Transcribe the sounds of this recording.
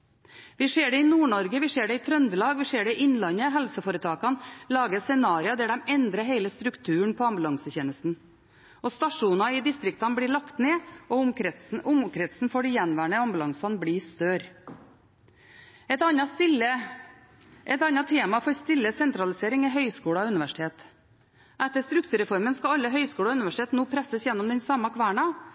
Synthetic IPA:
ʋɪʂeːɖɛɪnuːɳɔɾɡəʋɪseːɖɛɪt̪ʰɾœnd̪əlɑːɡʋɪseːɖɛɪʔɪnlɑnəɦɛlsəfoːɾət̪ʰɑːkɑnlɑːɡəsɛnɑːɾɪɑd̪æːɖ̪ɛmɛnd̪ɾəɦeɪləst̪ɾʉkt̪ʰʉːəɳpʰɔɑmbʉlɑŋsəçeːnəst̪n̩ | ɔst̪ɑʂuːnɑɪd̪ɪst̪ɾɪk̚t̪ɑnbliːɭɑkt̪neːɔʊmɾʊmkʰɾɛt̪sn̩foːɖijɛnʋæːɳəɑmbʉlɑŋsɑnbɽiːst̪øːɾ | ɛt̪ɑnɑst̪ɪlə | ʔɛt̪ɑnːɑt̪ʰeːmɑfɔɾst̪ɪlːəsɛnt̪ɾɑlɪseːɾɪŋɛɦœʏskuːɽɑʉnɪʋæʂɪ̥t̪ʰeːt̪ | ʔɛt̪ːəst̪ɾʉkt̪ʰʉːɾɛfɔɾmənskɑɑlːəɦœʏskuːɽɑʉnɪʋæʂɪt̪ʰeːt̪noːpʰɾɛsəsjɛnːɔmd̪ɛnsɑmːɑkʰʋæːɳɑ

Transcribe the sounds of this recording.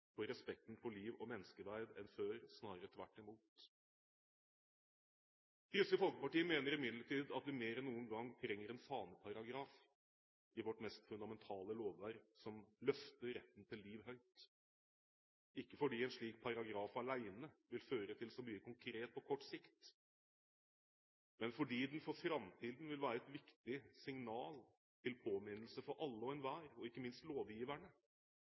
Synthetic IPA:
fɔɾɛspɛkt̪n̩fɔliːʋɔmɛnːəskəʋæɾd̪ɛ̰nføːɾsnɑːɾɾət̪ʰʋæ̰ʈːɪmuːt̪ | ʏskəfɔlkəpɑʈiːəmeːnəɾɪmɪd̪ləʈʰiːd̪ɑt̪̚d̪ʉmeːɾɛnːuːənɡɑŋːt̪ʰɾɛŋːəɾɛnfɑːnəpʰɑɾɑɡɾɑːf | ɪʋɔʈmɛst̪fʉnd̪ɑmɛnt̪ʰɑːləloːʋʋæːɾsɔmlœft̪əɾɾɛt̪ːn̩t̪ʰɪlːiːʋɦœʏt̪ | ɪkːəfɔɖiːɛnʂɭiːk̚pʰɑɾɑɡɾɑːfɑlæɪnəʋɪlføːɾət̪ʰɪlsɔmyːəkʰʊŋkʰɾeːt̪̚pʰɔkʰɔʈːsɪkt̪ | mɛnfɔɖiːd̪ɛnfɔɾfɾɑmt̪ʰiːd̪n̩ʋɪlʋæːɾəɛt̪ʋɪkt̪ɪsɪŋnɑːl | t̪ʰɪlpʰoːmɪnəlsəfɔɾʔɑlːəɔɛnʋæːɾɔɪkːəmɪnst̪loːʋjiːʋæɳə

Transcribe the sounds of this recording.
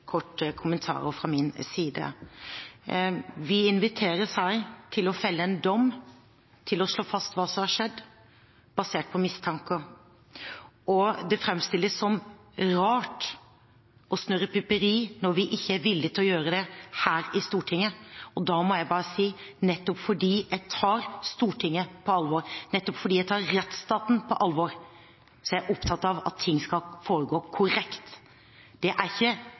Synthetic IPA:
kʰɔʈːəkʰʊmənt̪ʰɑ̰ːɾə̰fɾɑmɪnsiːd̪ə̰ | ʋɪɪnʋɪt̪ʰeːɾəsæɪt̪ʰɪlɔfɛlːəɛnd̪ɔmː | t̪ʰɪlɔʂɭoːfɑst̪ʋɑːsɔmhɑʂɛd̪ː | b̥ɑseːʈ̚pʰɔmɪst̪ʰɑŋkə | ʔɔd̪ɛfɾɛmst̪ɪlːəsːɔm | ɾɑːʈ | ɔsnøɾəpʰʏpəɾiːnɔɾʋɪʔɪçːəæɾʋɪlːɪt̪ʰɪlɔjøːɾəd̪ɛhæːɾɪst̪uːʈʰɪŋːəɔd̪ɑmɔjæɪbɑːɾəsiːnɛt̪ːɔpfɔɖiːæɪt̪ʰɑːɾst̪uːʈʰɪŋːəpʰɔɑlʋɔɾnɛt̪ːɔpfɔɖiːæɪt̪ʰɑːɾːɛt̪st̪ɑːt̪n̩pʰɔʔɑlːʋɔɾ | sɔjæʔɔpt̪ʰɑt̪ːɑʋɑ̰t̪ʰːɪŋːskɑlfoːɾəɡoːkʰʊɾɛkt̪ | d̪̥ɛʔæɾɪçːə

